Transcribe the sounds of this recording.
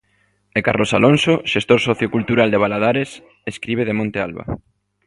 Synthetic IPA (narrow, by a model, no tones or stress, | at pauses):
ekarlosalonsoʃest̪oɾsoθjokult̪uɾald̪eβalaðaɾes | eskɾiβ̞eðemõnt̪ea̰lβa̰